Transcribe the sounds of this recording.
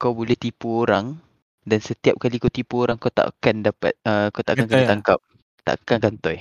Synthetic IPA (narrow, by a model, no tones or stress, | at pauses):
kawbolɛht̪ipuoɾaŋ | dansət̪iap̚kalikawt̪ipuoɾaŋkawt̪a̰ʔa̰kandapa̰t̪̚əkawt̪aʔaankat̪aŋkap̚ | t̪a̰ʔakankant̪ɔj